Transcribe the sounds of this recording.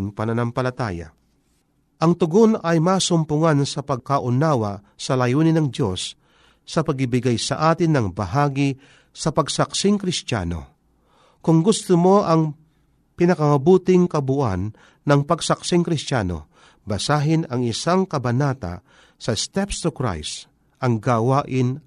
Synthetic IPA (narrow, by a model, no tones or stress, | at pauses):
ŋpɐnɐnampɐlɐt̪a̰ːja̰ | ʔɐŋt̪ʊɡonɐjmaːsʊmpʊŋansɐpɐɡ̚kaʔʊnaːwa | sɐlɐjuːnɪnɐŋd̪jo̞sː | ɐpɐɡɪbɪɡajsɐ̰ʔaːt̪ɪnːɐŋbɐɦaːɡɪ | sɐpɐɡsɐksɪŋkɾɪst̪a̰ːno̞̰ | kʊŋɡʊst̪ʊmo̞ʔɐŋ | pɪnɐkɐmɐbuːt̪ɪŋkɐbʊʔa̰nː | ɐŋpɐɡsɐk̚sɪŋkɾɪst̪ja̰ːno̞̰ | bɐsaːɦɪnɐŋɪsaŋkɐbɐnaːt̪a̰ | sɐst̪ɛpst̪ʊkɾa̰js | ʔɐŋɡawaːʔɪn